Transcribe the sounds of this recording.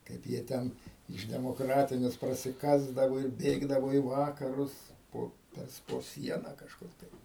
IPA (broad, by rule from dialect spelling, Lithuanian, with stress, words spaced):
ˈkɐɪp jiɛ ˈtʲɛn ɪʃ dʲɛmoːˈkrɑːtʲɪnʲɛs prɐsʲɪˈkɑːzdɐʋoː ɪr ˈbʲeːɡdɐʋoː iː ˈʋɑːkɐrʊs ˈpoː ˈtɐs poː ˈsʲiɛnɐ kɐʃˈkʊr tɐɪ